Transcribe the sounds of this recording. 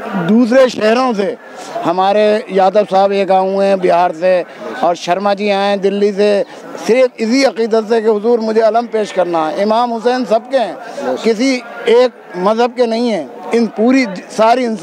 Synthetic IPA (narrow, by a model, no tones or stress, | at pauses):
d̪uːs̬ɾeʃɛɦɾõs̬e | hɐmaːɾejaːd̪əbsaːbeːkaːũɦɛ̃bɪɦaːɾseɔːɾʃɐɾmaːt͡ʃiaːẽd̪ɪlːise | sɪɾfʰɪsiɐqiːd̪ət̪sekeɦʊzuːɾmʊd͡ʒʱeɐlə̃mpeːʃkɐɾnaɦɛɪmaːmɦʊsɛːnsɐb̚keɦɛ̃ːkɪsieːk̚ | mɐzɦəb̚kenɐɦĩɦɛ̃ː | ɪnpuːɾisaːɾiɪns